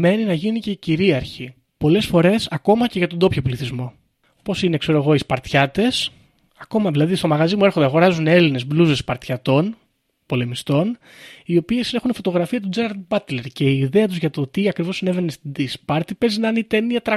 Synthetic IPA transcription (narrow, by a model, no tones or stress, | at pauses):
me̞ninɐʝinice̞ciɾiɐɾçi | po̞le̞sfo̞ɾe̞sɐko̞mɐce̞ʝɐt̪o̞nd̪o̞pçopliθizmo̞ | po̞sine̞kse̞ɾo̞eɣo̞ispɐɾt̪çɐt̪e̞s | ɐko̞mɐðilɐðist̪o̞mɐɣɐzimueɾxod̪ɐɣo̞ɾɐzune̞line̞zbluzespɐɾt̪çɐt̪o̞n | po̞le̞mist̪o̞n | io̞pie̞sne̞xunfo̞t̪o̞ɣɾɐfiɐt̪ud͡zeɾɐɾd̪bɐt̪le̞ɾce̞iːðe̞ɐt̪uzʝɐt̪o̞t̪iɐkɾivo̞sineve̞nest̪id̪ispɐɾt̪ipe̞znɐnit̪eniɐt̪ɾɐ